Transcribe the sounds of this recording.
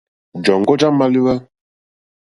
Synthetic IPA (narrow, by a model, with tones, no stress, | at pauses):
d͡ʒɔ˨ŋ˨ɡɔ˦d͡ʒa˦ma˦li˦wɛ˦